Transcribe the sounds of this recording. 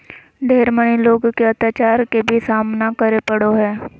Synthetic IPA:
ɖʱeːɾməniloːɡkeɐt̪jaːt͡ʃaːɾkebʱisaːmnakəɾepəɽoɦɛː

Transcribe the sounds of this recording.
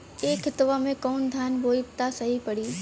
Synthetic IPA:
eːkʰɪt̪ʋamẽkoːnd̪ʱʰaːnboːɪt̪asɐɦipɐɽiː

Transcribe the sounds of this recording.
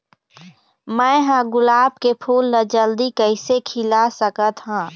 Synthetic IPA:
mɛ̃ɦãɡʊlaːb̚kepʰuːlnəd͡ʒəld̪ikəɪsekʰɪlasəkət̪ɦãː

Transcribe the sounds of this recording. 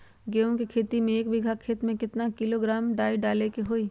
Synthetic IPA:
ɡeːõkikʰeːt̪imẽeːkbɪɡʱakʰːeːt̪mẽkɪt̪nakɪloɡɾaːmɖaːiɖaːlekeɦoːiː

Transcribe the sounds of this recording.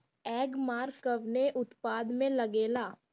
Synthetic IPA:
ɛːɡmaːɾkəʋneʔʊt̪paːd̪mẽlɐɡeːlaː

